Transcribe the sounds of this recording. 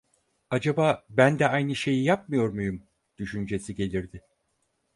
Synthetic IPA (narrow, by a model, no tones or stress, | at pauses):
ad͡ʒabaːbænd̪ɛajnɯʃe̞jijap̚mɯjo̞ɾmujum | d̪̥yʃynd͡ʒe̞siɟe̞lʲiɾd̪ɪ